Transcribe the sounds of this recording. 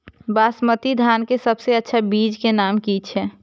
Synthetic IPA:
baːsmət̪id̪ʱaːnkesəbseətːʃʰabiːd͡ʒkenaːmkiːt͡ʃʰɛː

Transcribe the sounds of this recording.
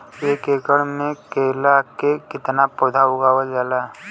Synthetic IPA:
eːkeːkəɽmẽkeːlakekɪt̪napɔːd̪ʱaɦʊɡaːwəd͡ʒaːla

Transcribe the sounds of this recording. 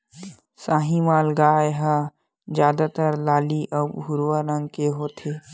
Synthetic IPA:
saːɦĩmaːlɡaːjɦa | d͡ʒjaːd̪at̪əɾlaːliʔəːbɦʊɾwaɾəŋɡkeɦoːt̪ʰeː

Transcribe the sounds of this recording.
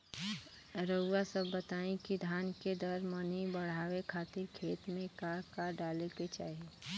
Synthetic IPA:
ɾəasəbːət̪aːĩkid̪ʱaːnked̪əɾmənibəɽ̤aːwekʰaːt̪ɪɾkʰeːt̪mẽkakaɖaːleket͡ʃa̰ːɦie

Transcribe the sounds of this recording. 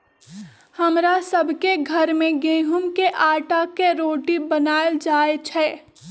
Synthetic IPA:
hɐmɾasəbʱkeɡʱəɾmẽɡẽːɦʊmkeʔaːʈakeɾoːʈibənaːeld͡ʒaːet͡ʃʰɛː

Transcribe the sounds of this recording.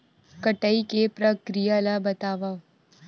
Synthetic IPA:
kəʈəikepɾəkɾijalabət̪aʋa

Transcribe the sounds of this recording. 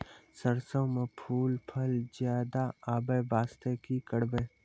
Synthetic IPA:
səɾsəwmepʰuːlpʰɐlzjaːd̪aaːbəʋaːst̪ekikəɽbeː

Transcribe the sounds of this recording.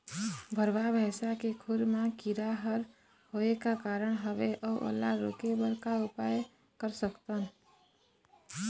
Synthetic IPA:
bʱəɾbabʱesakekʰuɾmakiɾaɦəɾ | hoekakaɾəɳ̃ɦəβeʔɔʔo̰lːa̰ɾo̰kebəɾkaupaj | kəɾsəkt̪ən

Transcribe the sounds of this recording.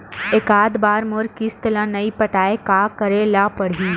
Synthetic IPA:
ekaːd̪baːɾmoɾkist̪əlãnɐipɐʈaːekakəɾelapəɽ̤iː

